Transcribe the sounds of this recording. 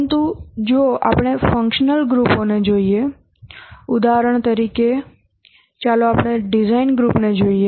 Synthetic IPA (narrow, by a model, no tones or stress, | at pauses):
nt̪ud͡ʒoa̰pɽ̃efə̃ŋkʃnəlɡɾuponed͡ʒoie | ʊd̪aɾəɳ̃t̪əɾike | t͡ʃaloaːpɳ̃eɖɪzainɡɾupned͡ʒoie